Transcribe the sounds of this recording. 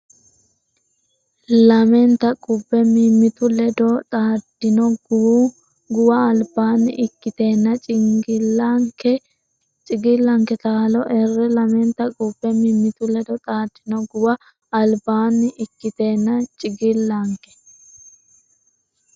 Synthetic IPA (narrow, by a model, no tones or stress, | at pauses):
lɐmɛnt̪ɐkʼʊbːɛmimːɪt̪ʊlɛd̪ɔt̪ʼaːd̪̥ɪnɔɡw | ɡʊwɐːlbaːnːɪ̰ʔɪkːɪt̪e̞ːnːɐt͡ʃʼɪŋɡɪlːaŋkɛ | t͡ʃʼɪɡɪlːɐŋkɛt̪aːlɔʔɛrːɛlɐmɛnt̪ɐkʼʊbːɛmimːɪt̪ʊlɛd̪ɔt̪ʼaːd̪̥ːɪnɔɡʊwɐ | ɐlbaːnːɪʔɪkːɪt̪eːnːɐt͡ʃʼɪɡɪlːɐŋkɛ̥